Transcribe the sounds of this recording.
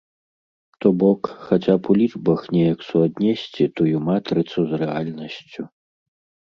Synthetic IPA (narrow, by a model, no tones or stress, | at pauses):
t̪ɔbɔkxat͡sʲapulʲid͡ʐbɐxnʲɛjɐksuad̪nʲɛsʲt͡sʲit̪ujumat̪ɾɨt̪suzrɛalʲnɐsʲt͡sʲu